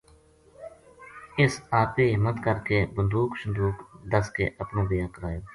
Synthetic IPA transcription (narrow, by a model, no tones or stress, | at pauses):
ɪsaːpeːɦɪmət̪kəɾkeːbənd̪uːkʃʊnd̪uːkd̪əskḛːʔəpnõːbɪjãːkəɾaːjoː